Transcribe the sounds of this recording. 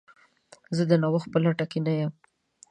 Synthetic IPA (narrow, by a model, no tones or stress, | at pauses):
zəd̪ənawəx̚bəlaʈakinajəm